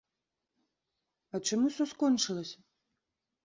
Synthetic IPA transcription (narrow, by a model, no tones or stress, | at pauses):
ɐt͡ʂamusʲɔskɔnt͡ʂɨlˠɐsʲɐ